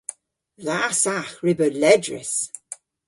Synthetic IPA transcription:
ðasaxɹɪbəlɛdɹə̰s

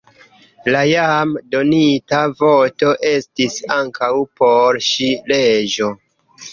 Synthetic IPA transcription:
lajamdo̞nitavo̞to̞ʔe̞stisaŋkʰawpo̞ɾʃiled͡ʒo̞

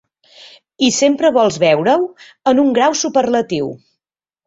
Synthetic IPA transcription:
isempɾəβ̞ɔlˠzβɛwɾəw | ənuŋɡɾawsupərlət̪iw

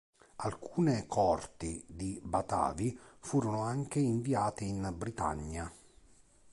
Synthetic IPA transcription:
alkʰuːnekʰɔrt̪id̪ibat̪a̰ːvifuːɾʊnʊaŋkeiɱviaːt̪ɪːnbɾit̪a̰ɲːa

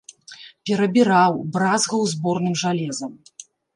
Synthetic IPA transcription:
pʲɛɾɐbʲiɾawbɾazɣɐwzbɔrnɨmʐalʲɛzɐm

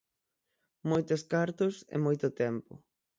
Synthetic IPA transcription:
mojt̪oskaɾt̪ʊsɪ̰mojt̪ʊt̪ɛmpʊ̰

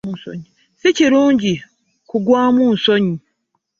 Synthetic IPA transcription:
so̰ɲi | siciɾuːɲɟi | kuɡwaːmuːnso̞ɲi

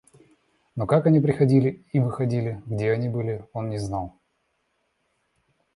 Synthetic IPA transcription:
no̞kakɐnʲipɾʲɪxɐdʲilʲɪivɨxɐdʲilʲɪɡdʲeɐnʲibɨlʲɪo̞nnʲɪznalˠ

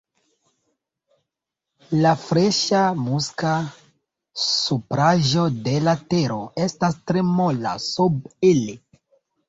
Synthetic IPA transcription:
lafɾeʃamuska | supɾaʒodelateɾoestastɾemola̰subeli

